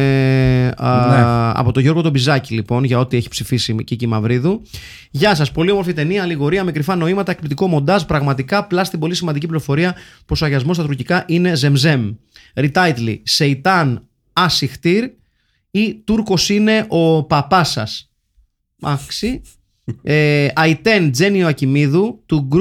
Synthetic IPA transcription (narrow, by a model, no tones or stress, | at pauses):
ɐ̰po̞t̪o̞ʝo̞ɾɣo̞t̪o̞bizɐcilipo̞nʝɐo̞t̪ieçi̥psifisicicimɐvɾiðu | ʝɐs̬ɐspo̞lio̞mo̞ɾfit̪e̞niɐːliɣo̞ɾiɐmikɾifɐno̞imɐt̪ɐek̚plit̪iko̞mo̞nd̪ɐzpɾɐɣmɐt̪ikɐplɐst̪ibo̞lisimɐnd̪icipliɾo̞fo̞ɾiɐ | po̞soɐʝɐzmost̪ɐt̪uɾcikɐʔine̞ze̞mze̞m | ɾit̪ɐjt̪lḭse̞it̪ɐn | ɐsixt̪iɾ | it̪uɾko̞sine̞ʔo̞pɐpɐsɐ̰s | ɐksi | eɐit̪e̞nd͡ze̞nioɐcimiðut̪uɡ